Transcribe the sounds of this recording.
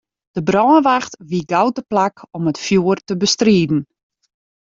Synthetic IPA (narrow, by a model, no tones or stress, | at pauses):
d̥əbrɔːənʋaxtʋiɡawtəplakɔmətfjuərtəbəstriːdn̩